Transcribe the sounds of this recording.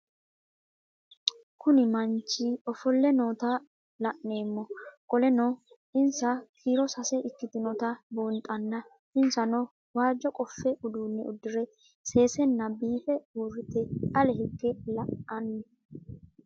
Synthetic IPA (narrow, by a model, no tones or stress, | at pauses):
kʰʊnɪmɐnt͡ʃːiɔfɔlːɛnoːt̪a | lɐʔne̞ːmːɔkʼɔlɛnɔ | ɪnsɐkʰiːɾɔsɐsɛʔɪkːɪt̪ɪnɔt̪ɐbuːnt̪ʼɐnːɐ | ɪnsɐnɔ | waːd͡ʒːɔkʼɔfːɛʔʊd̪uːnːɛʊd̪ːɪɾɛ | se̞ːsɛnːɐbiːfɛuːɾɪt̪ɛɐlɛɦɪɡːɛlɐʔɐnːɛ